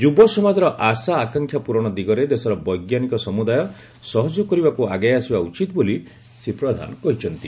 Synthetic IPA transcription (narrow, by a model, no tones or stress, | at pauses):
d͡ʒubɔsɔmad͡ʒɔɾɔʔasaːkaŋkʰjapuɾɔɽ̃ɔd̪iɡɔɾed̪esɔɾɔbɔjɡjanikɔsɔmud̪ajɔ | sɔɦɔd͡ʒɔkɔɾibakuaɡajasibaut͡ʃit̪boli | sepɾɔd̪ʱa̰nɔkɔɦit͡ʃʰɔnt̪i